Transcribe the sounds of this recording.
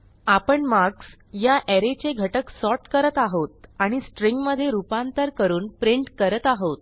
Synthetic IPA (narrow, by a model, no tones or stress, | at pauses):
apəɳmaɾks | jaʔɛɾet͡ɕeɡʱəʈəksɔʈkəɾət̪aɦot̪̚aɽ̃isʈɾiŋɡməd̪ʱːjeɾupant̪əɾkəɾuːnpɾiɳʈkəɾət̪aɦot̪̚